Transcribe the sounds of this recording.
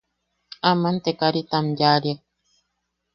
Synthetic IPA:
amãnt̪ekaɾit̪amjaɾia

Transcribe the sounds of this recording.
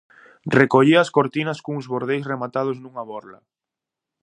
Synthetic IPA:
rekoʎiɐskoɾt̪inɐskoŋʊzβoɾð̞ejsremat̪að̞ʊznuŋɐβɔɾlɐ̰

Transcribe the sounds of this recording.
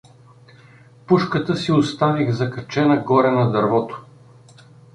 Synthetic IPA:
puʃkət̪əsiʊst̪aviɣzɐkɐt͡ʃɛnɐɡɔɾɛnɐd̪ɐɾvɔt̪o̥

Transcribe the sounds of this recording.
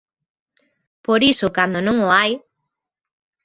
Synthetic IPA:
poɾisʊkand̪onõŋoaj

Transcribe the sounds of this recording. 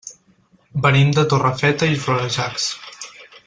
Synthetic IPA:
bənimd̪ət̪orəfɛt̪əifɾoɾəʒaks

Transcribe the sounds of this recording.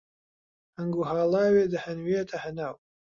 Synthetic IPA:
həŋɡuɦaːlˠaːweːd̪ɐhɐnweːt̪ʰɐhɐnaːw

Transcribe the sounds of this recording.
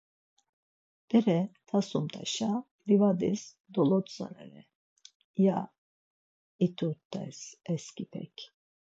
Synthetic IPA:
b̥ɛɾɛt̪ʰasumt̪ʰa̰ʃa | ɾivad̪is | d̪ɔlˠɔt̪sa̰na̰nɛ̰ | ja | it̪ʰut̪ːɛ̰sɛskipʰɛ̰cʲ

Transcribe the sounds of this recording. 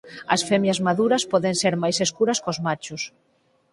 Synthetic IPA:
ɐ̰sfɛmjɐzmaðuɾɐspɔðenseɾmajseskuɾɐskozmat͡ʃʊs

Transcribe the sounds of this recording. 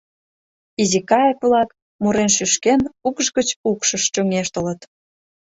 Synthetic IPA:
izikɑjəkvlɑk | muɾenʃyʃkenukʒɣət͡ɕukʃəʃt͡ɕoŋeʃt̪ə̆lət̪

